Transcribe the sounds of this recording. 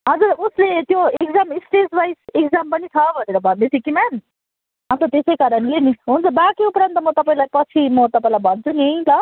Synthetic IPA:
ɦʌd͡zuɾuslet̪joekd͡zamisʈesbajsekd͡zampʌnit͡sʰʌbʱʌneɾʌbʱʌnd̪et͡sʰikiman | ɦamt̪ʌt̪esejkaɾʌnleniɦunt͡sʰʌbakiupɾʌnt̪ʌmʌt̪ʌpaĩlajpʌt͡sʰimʌt̪ʌpãĩlajbʱʌnt͡sʰuneĩt̪ʌ

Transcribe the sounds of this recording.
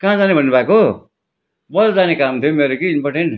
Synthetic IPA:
kãd͡zanebʱʌnːubʱako | bʌld͡zanekamt̪ʰijomeɾokinbʌʈʰen

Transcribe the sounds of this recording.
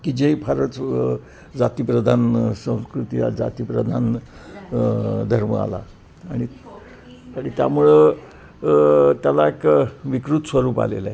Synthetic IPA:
kid͡ʑeipʰaɾət͡s | d͡zat̪iːpɾəd̪ʱansə̃w̃skɾut̪ija̰d͡za̰t̪iːpɾəd̪ʱan | d̪ʱəɾməa̰la̰ | aɽ̃i | aɽ̃it̪ja̰muɭe | t̪jalaekʋikɾut̪sʋəɾuːpa̰lḛla

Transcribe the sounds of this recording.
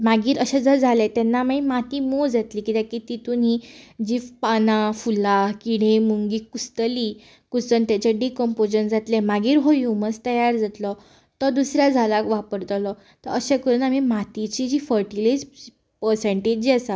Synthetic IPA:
maɡiːɾəɕad͡zəɾd͡zʱalɛ̃t̪ɛnːamaimat̪imod͡zat̪liːkit̪ɛ̃kit̪it̪unid͡ʑiːfpanafulakiɽ̃emuŋɡiːkust̪əli | kust̪ənt̪jat͡ɕaɖikəmpod͡ʑənd͡zat̪lɛmaɡiːɾɦojuməst̪əjaɾd͡zat̪lɔ | t̪ɔd̪usɾjad͡zʱalakʋapəɾt̪lɔ | t̪əɾəɕekəɾuːnamimat̪it͡ɕid͡ʑiːfəɾʈilis | pəɾsə̃ɳʈed͡ʑasa

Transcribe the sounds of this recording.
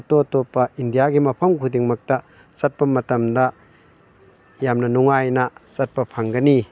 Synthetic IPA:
totopːɐindijaɡimɐpʰɐmkʰudiŋmɐk̚tɐ | sɐt̚pɐmɐtɐmdɐ | jamnɐnuŋajnɐsɐt̚pɐpʰaŋɡɐni

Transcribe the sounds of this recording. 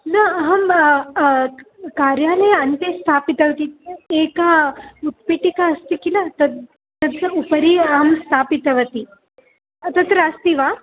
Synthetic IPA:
nɐɐɦɐm | kaɾjaləjɐnt̪est̪ʰapit̪ɐʋɐt̪iekaut̪̚piʈikaːst̪ikilat̪ɐ | t̪ɐt̪upəɾiɐɦɐmst̪ʰapit̪ɐʋɐt̪i | t̪ɐt̪ɾɐɐst̪iʋa

